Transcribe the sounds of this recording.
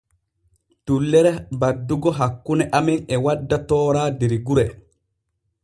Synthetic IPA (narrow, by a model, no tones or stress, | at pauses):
tulːɛɾɛbadːuɡɔɦakːunɛʔamɛnɛwadːatɔːɾaːdiɾiɡuɾɛ